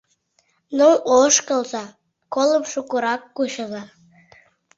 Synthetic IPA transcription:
nooʃkəlzɑ | kolˠəmʃukuɾɑkːuɕəzɑ

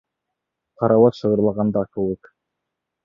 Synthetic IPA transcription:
qɑɾɑwɑt̪ʃɤ̆ʁɤ̆ɾlˠɑʁɑnd̪ɑkʉwɘk

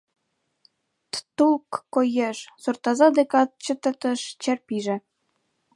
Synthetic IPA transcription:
t̪t̪ulkːojeʃsurt̪ɑzɑd̪ekɑt̪̚t͡ɕə̆t̪ə̆t̪ə̆ʃt͡ɕærpiʒɘ̆

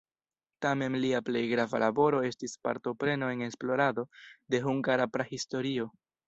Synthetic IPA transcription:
tame̞nliaple̞jɡɾava̰labo̞ɾo̞e̞stispa̰ɾto̞pɾe̞no̞e̞ŋe̞splo̞ɾado̞de̞ɦuŋɡaɾapɾahisto̞ɾio̞

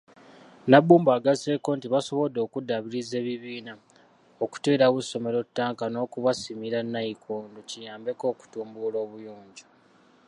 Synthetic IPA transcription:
nabuːmbaːɡaze̞ko̞ntiβaso̞βo̞do̞ːkudaβiɾize̞ːβiβiːna | oku̥teːɾaβuso̞me̞ɾo̞tːaːŋkano̞ːkuβasimiɾanːaikʰonducijaːmbe̞ko̞ːku̥tuːmbulo̞ːβujoːɲɟo̥

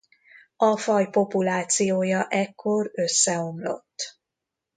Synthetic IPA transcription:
ɒfɒjpo̞pulaːt̪sijoːjɒʔɛkʰːo̞rø̞sːɛo̞mlo̞̰t̪ː

